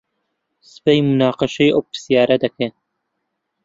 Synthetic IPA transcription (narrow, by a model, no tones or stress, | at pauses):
sɨ̥pejmunaːqɨʃɐjʔop̚ːɨ̥sijaːɾɐd̪ɐkʰeː